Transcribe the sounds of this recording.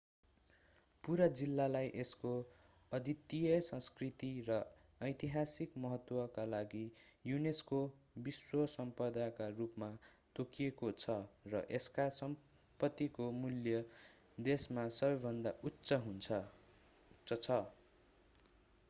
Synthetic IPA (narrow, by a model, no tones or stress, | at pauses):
puɾad͡zilːalajʔesko | ʌd̪it̪ːijʌsʌ̃skrit̪irʌ | ʌjt̪iɦasikmʌɦʌt̪wʌkalaɡijunesko | biswʌsʌmpʌd̪akarupmat̪okiekot͡sʰʌrʌʔeskasʌm | pʌt̪ːikomuljʌ | d̪esmasʌbʌjbʱʌnd̪aʔutːsʌɦunt͡sʰʌ | ʌt͡sʰʌ